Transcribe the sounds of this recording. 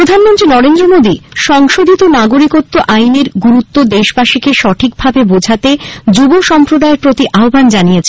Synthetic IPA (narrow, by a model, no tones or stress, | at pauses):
ɾod̪ʱanmont̪ɾinɔɾend̪ɾomod̪iʃɔŋʃod̪ʱit̪onaɡoɾikot̪ːoʔajneɾɡuɾut̪ːod̪eʃbaʃikeʃɔʈʰik̚bʱabebod͡ʑʱat̪ed͡ʑuboʃɔmpɾod̪aeɾpɾot̪iʔaobʱand͡ʑanijet͡ɕʰen